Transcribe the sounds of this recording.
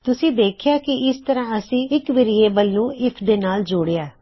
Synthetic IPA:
t̪ʊsĩːd̪eːkʰɪjaːkɪɪst̪əɾãːəsĩːɪkʋɪɾɪeːbəlːũːɪpʰd̪eːnaːld͡ʒoːɽeaː

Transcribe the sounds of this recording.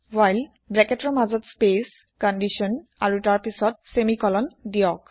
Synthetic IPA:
wajl | bɹɛkɛtɔɹmazɔtspes | kɔndiʃɔnaɹutaɹpisɔt̚semikɔlɔndijɔk̚

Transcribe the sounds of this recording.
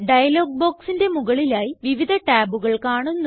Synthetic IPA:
ɖɐjɐloːɡ̚bo̞ːksinde̞muɣɐɭilaːjiʋiʋid̪ʱɐʈaːbuɣɐɭkaːɳunːu

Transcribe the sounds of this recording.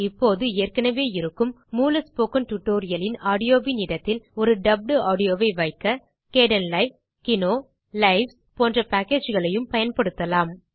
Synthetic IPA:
ɪpːoːðɯɪjɐrkɐnɐʋeːɪɾɯkːɯmːuːlɐspoːkɐnʈʊʈːoːɾɪjɐlɪnaːɽɪjoːʋinɪɽɐt̪ːɪlɔɾɯɖɐb̚ɖɯaːɽɪjoːʋɐɪʋɐɪkːɐ | keːɽɐnlɐɪ | kɪnoː | lɐɪʋs | poːndrɐpaːkeːd͡ʒɣɐɭɐjɯmpɐjɐnpɐɽɯt̪ːɐlaːm

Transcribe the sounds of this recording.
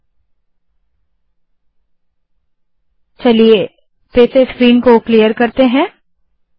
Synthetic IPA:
t͡ʃɐlie | peːseskɾiːnkoklijəɾkɐɾt̪eɦɛ̃ː

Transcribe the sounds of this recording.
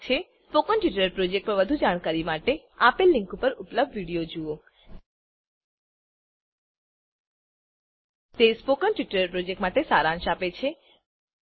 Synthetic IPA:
t͡ʃʰespokənʈʋiʈəɾpɾod͡ʒek̚ʈ̚pəɾʋəd̪ʱud͡ʒaɽ̃kaɾimaʈe | apelːiŋkupəɾʊpləb̚d̪ʋiɽijod͡ʒuo | t̪espokənʈʋiʈəɾpɾod͡ʒekʈmaʈesaɾãnʃapet͡ʃʰe

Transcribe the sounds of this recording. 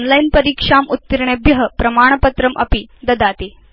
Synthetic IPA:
nlainpəɾiːkʂamut̪ːiɾɳebiɦəpɾɐmaːɳ̃pət̪ɾəmʔɐ̰pid̪ɐd̪at̪i

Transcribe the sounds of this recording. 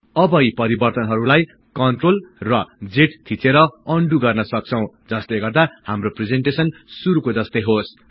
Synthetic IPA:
ʌbʌjpʌɾibʌrt̪ʌnɦʌɾulaj | kʌɳʈrolrʌd͡zeʈt̪ʰit͡seɾʌʌɳɖuɡʌrnʌsʌk̚t͡sʰʌw̃d͡zʌst̪eɡʌrd̪ahamropred͡zeɳʈesʌnsuɾukod͡zʌst̪ejɦos

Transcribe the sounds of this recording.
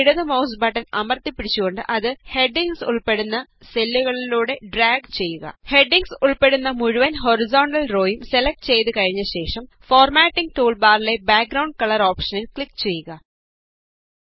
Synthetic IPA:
iɽuðɨmɐws̬bɐʈːɐnɐmɐrt̪ipːiɽit͡ɕːuɣo̞ɳɖɨ̰ʔɐðɨhe̞ɖːiŋɡsuɭpe̞ɽunːɐselːuɣɐɭiluːɽe̞ɖraːɡt͡ɕe̞jːuɣɐ̰he̞ɖiŋɡsuɭpe̞ɽunːɐmuɻuʋɐnɦo̞ɾizoːɳɖɐlro̞ːjumse̞lɐk̚ʈɨt͡ɕe̞jt̪ɨkɐɻiɲːɐɕe̞ːʂɐm | foːrmaːʈːiŋɡ̚ʈuːɭbaːɾile̞baːk̚ɡɾɐwɳɖ̚kɐɭɐɾoːpʂɐnilkɭikːt͡ɕe̞jːuɣɐ

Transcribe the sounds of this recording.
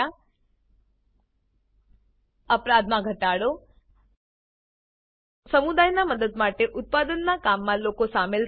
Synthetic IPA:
a | əpɾad̪mãɡʱəʈaɽo | səmud̪ajnaməd̪əd̪maʈeʔʊt̪̚pad̪ənːakamːãlokosamel

